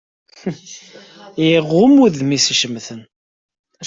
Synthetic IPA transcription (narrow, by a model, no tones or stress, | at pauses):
ʁʊmuðmisʃəmθən